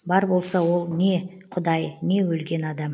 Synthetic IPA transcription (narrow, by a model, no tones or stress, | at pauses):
bɑɾbo̞lˠsɑwo̞lˠne̞ | qʰʊd̪ɑjne̞wɵlɡʲe̞nɑd̪ɑm